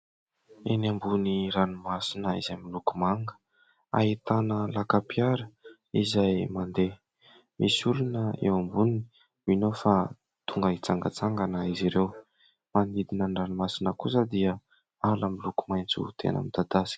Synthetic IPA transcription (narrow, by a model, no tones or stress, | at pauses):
enambuniɾanumasinəḭzajmilukumaŋɡə̥ | a̰ɦit̪anəlakapiaɾə | izajmand̪e | mʔisulunəḛwambuni | minofa | t̪uŋɡəit͡saŋɡə̰t͡saŋɡanaiziɾew | manid̪inənranumasinəkusəd̪iə | alamiluku̥majnt͡sṵt̪ʰḛnə̰mid̪ad̪asi̥k